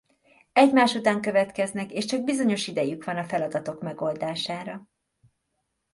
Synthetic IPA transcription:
ɛɟmaːʃut̪aːŋkø̞vɛt̪kɛznɛkeːʃt͡ʃɒɡ̚bizo̞ɲo̞ʃid̪ɛjykʋɒnɒfɛlɒd̪ɒt̪o̞kmɛɡo̞ld̪aːʃaːɾɒ

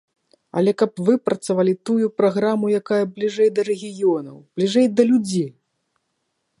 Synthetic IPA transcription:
ɐ̰lʲɛkɐpvɨpɾʔɐt̪savalʲit̪ujupɾaɣɾamujakajɐblʲiʐɛjd̪ɐɾɛɣʲijɔnɐ̰wb̥lʲiʐɛjd̪ɐlʲud͡zʲij

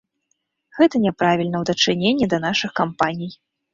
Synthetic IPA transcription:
ɣɛt̪ɐnʲɛpɾavʲilʲnɐwd̪ɐt͡ʂɨnʲenʲːɛd̪ɐnaʂɨxkampanʲij

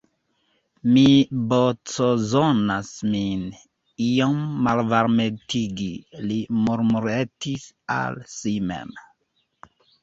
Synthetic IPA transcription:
mibot͡sozonasmin | iomːalvaɾmetʰiɡilimoɾmuɾetisa̰lsimḛm

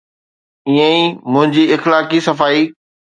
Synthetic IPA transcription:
iːə̃ĩmʊ̃ɦɪ̃ɲd͡ʑiɪxlaːkisɐfaːiː

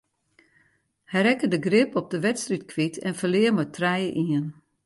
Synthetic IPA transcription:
hɛjɾɛkədəɡrɪpɔp̚dəʋɛtstritkʰʋitʰɛnfəlɪəmətʰrɛjəʔiən

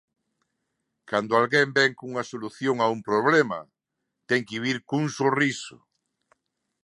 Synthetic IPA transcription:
kand̪ʊalɣembɛŋkuŋɐsoluθjoŋaumpɾoβ̞lema̰ | t̪ɛŋkiβiɾkuŋsorisʊ̰

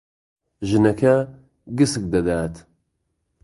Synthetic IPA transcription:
ʒɨnɐkʰɐ | ɡɨsɨk̚d̪ɐd̪aːt̪ʰ

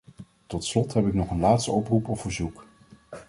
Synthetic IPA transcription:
tɔtslɔtɦɛpɪknɔχənlaːtstəɔprupɔfvəɹzuk

